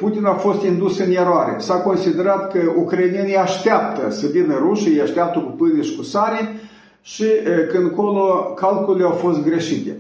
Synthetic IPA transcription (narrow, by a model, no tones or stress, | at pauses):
put̪inafo̞st̪ind̪usɨnjeɾoaɾḛsako̞nsid̪e̞ɾat̪kəukɾajnijeniaʃt̪eap̚t̪əsəvinəɾuʃiejaʃt̪eap̚t̪əkupɨniʃkusaɾi | ʃikɨnko̞lokalkulleawfo̞st̪ɡɾe̞ʃit̪ḛ